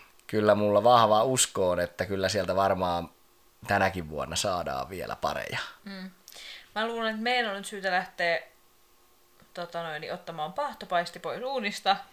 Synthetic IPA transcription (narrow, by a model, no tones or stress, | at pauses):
kylːæmulːɑʋɑhʋɑuskoːnet̪ːækylːæsielt̪æʋɑrmɑːn | t̪ænækiʋʋuonːɑsɑːdɑ̰ːʋʋiḛlæ̰pɑ̰rḛjɑm̩ːmæluːlenet̪meiænonnyt̪syːt̪ælæht̪eː | t̪ot̪ɑnoiniʔot̪ːɑmɑːmpɑht̪opɑist̪ipoisuːnist̪ɑ